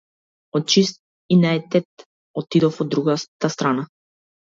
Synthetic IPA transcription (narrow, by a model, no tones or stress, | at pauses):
ɔt̪̚t͡ʃist̪̚ | inɛɛt̪ɛt̪ | ɔt̪id̪ɔfɔd̪ːɾuɡat̪ast̪ɾana